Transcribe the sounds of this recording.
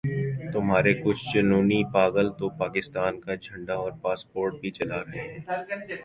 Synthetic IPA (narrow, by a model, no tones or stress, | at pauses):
t̪ʊmɦaːɾekʊt͡ʃʰt͡ʃʊnuːnipaːɡəlt̪opaːkɪst̪aːnkad͡ʒʱɐ̃ɳɖaɔːɾpaːspoːɾʈ̚bʱit͡ʃɐlaɾɐɦeɦɛ̃ː